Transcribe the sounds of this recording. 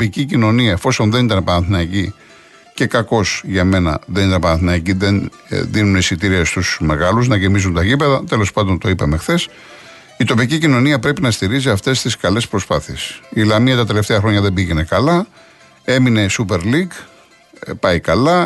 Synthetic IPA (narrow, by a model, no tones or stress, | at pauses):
opicicino̞niɐefo̞so̞nðe̞nit̪ɐnɐpɐnɐθinɐici | ce̞kɐko̞sʝɐme̞nɐ̰ðe̞nit̪ɐnɐpɐnɐθinɐiciðen | ðinuneisit̪iɾiɐst̪usme̞ɣɐluznɐʝemizunt̪ɐʝipe̞ðɐt̪e̞lo̞spɐnd̪ont̪o̞ipɐme̞xθe̞s | it̪o̞picicino̞niɐpɾe̞pinɐst̪iɾiziɐft̪e̞st̪iskɐle̞spɾo̞spɐθie̞silɐmiɐt̪ɐt̪e̞left̪eɐxɾo̞ɲɐðe̞mbiʝene̞kɐlɐ | e̞mine̞supe̞ɾliɡ | pɐikɐlɐ